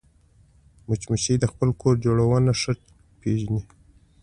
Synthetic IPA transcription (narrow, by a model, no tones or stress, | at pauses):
mʊt͡ʃmuʃid̪əxpəlkʰoɾd͡ʒoɽawənaʂə | peʒni